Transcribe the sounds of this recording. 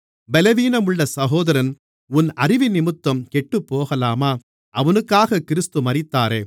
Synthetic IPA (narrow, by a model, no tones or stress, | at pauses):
bɛlɐʋiːnɐmɯɭːɐsɐɣoːðɐɾɐn | ʊnɐrɪʋɪnɪmɯt̪ːɐmkɛʈːɯpːoːɣɐlaːmaː | ɐʋɐnɯkːaːɣɐkɪɾɯst̪ɯmɐɾɪt̪ːaːɾeː